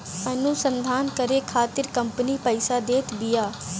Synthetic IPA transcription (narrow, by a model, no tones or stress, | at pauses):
mɛnũːsənd̪ʱaːnkəɾeːkʰaːt̪ɪɾkəmpniːpəɪsaːd̪eːt̪bɪjaː